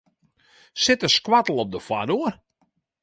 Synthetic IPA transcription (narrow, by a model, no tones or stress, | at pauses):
sɪtəskwatəl̩ˠɔp̚dəfwadoər